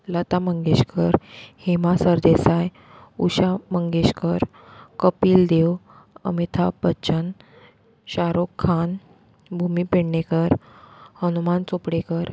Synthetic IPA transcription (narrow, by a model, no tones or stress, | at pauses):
lət̪aməŋɡeɕkəɾhemasəɾd̪esaj | uɕaməŋɡeɕkəɾ | kəpiːld̪ew | ə̰mit̪ʰabəːɕən | ɕaɾokʰːan | bʱumipeɽnekəɾhənumant͡sopɽekəɾ